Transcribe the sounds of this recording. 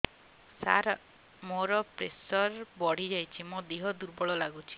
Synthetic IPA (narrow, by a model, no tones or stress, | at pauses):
sa̰ɾa | moɾɔpɾesɔɾbɔɽ̤id͡ʒajt͡ʃʰimod̪iɦɔd̪uɾbɔɭɔlaɡut͡ʃʰi̥